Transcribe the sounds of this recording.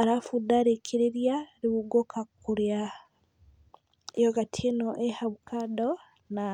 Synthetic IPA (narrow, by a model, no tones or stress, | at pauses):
aɾafudaɾekʰiɾeɾjaɾiβuɡokʰakuɾja | ejoɡatʰenoʔehaβukʰado | na